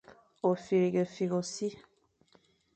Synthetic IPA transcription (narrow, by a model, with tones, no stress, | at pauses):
o˨fi˨ɾi˨ɡə˨fi˨ɣo˨si˦